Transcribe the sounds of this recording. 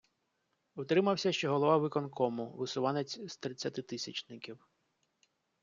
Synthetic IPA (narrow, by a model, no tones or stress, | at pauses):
ʊt̪ɾɪmɐwsʲɐʃt͡ʃɔɦɔlˠɔʋɑʋɪkɔnkɔmʊʋɪsʊʋɑnet͡sʲst̪ɾɪt͡sʲːɐt̪ɪt̪ɪsʲɐt͡ʃnɪkʲiw